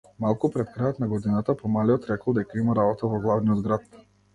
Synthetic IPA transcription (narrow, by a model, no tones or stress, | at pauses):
malˠkupɾɛt̪̚kɾajɔt̪naɡɔd̪inat̪apɔmaliɔt̪ɾɛkl̩ˠd̪ɛkaimaɾabɔt̪avɔɡlˠavnijɔd̪ɡɾat̪̚